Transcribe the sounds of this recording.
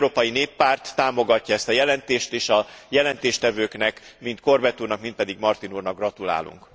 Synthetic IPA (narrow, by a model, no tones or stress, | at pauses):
ɾoːpɒjineːpːaːrt̪ːaːmo̞ɡɒcːɒɛst̪ɒjɛlɛnt̪eːʃt̪eːʃɒjɛlɛnt̪eːʃt̪ɛvøːknɛkmint̪ko̞rbɛt̪uːnɒkmint̪̚pɛd̪iɡmɒrt̪inurnɒɡrɒt̪ula̰ːlṵŋk